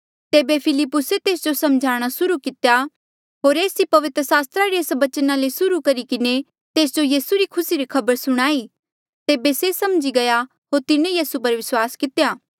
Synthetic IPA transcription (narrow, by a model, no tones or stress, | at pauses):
t̪eːbepʰɪlɪpːʊset̪eːsd͡ʒosɐmd͡ʒʱaːɽ̃asʊɾukɪt̪ja | ɦoːɾeːsipɐʋɪt̪ɾəsaːst̪ɾaɾieːsʋɐt͡ʃənalesʊɾukɐɾikɪne | t̪eːsd͡ʒojiːsuɾikʰʊsiɾikʰɐbəɾsʊɽ̃aːi | t̪eːbesesɐmd͡ʒiɡɐja | ɦoːɾt̪ɪnejiːsup̬ɐɾʋɪswaːskɪt̪ejaː